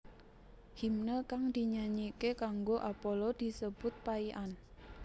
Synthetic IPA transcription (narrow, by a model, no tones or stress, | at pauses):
himnəkaŋd̪̥iɲaɲikekaŋɡoʔapɔlɔd̪̥i̤səb̥ʊt̪̚paiʔan